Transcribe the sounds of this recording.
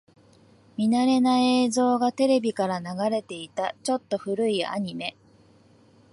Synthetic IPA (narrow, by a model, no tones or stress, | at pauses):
mʲinaɾe̞naeːzo̞ːɡat̪e̞ɾe̞bʲikaɾanaɡaɾe̞t̪e̞it̪at͡ɕo̞t̪ːo̞ɸɯ̟ɾɯ̟ia̰ɲ̟ime̞